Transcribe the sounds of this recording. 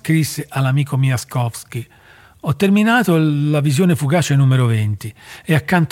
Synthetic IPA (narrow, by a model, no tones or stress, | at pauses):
kɾisːeʔalːamiːkomiaskɔfski | ɔt̪ːerminaːt̪olavizjoːnefuɡaːt͡ʃenuːmeɾovent̪iɛakːant̪